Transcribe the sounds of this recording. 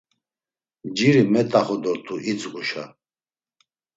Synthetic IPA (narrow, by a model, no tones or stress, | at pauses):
md͡ʒiɾimɛt̪ʼaχɔd̪ɔɾt̪ʰʼuʔit͡sɡuʃa̰